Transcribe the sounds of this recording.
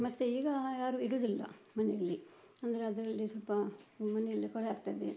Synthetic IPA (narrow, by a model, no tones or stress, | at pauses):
mɐt̪ːeiːɡɐjaːɾuiɽud̪ilːɐ̰mɐnɛjɐlːiɐnd̪ɐɾeɐd̪ɐɾɐlːisɔlpɐmɐnɛjɐlːikɔɽeaːɡt̪aːd̪e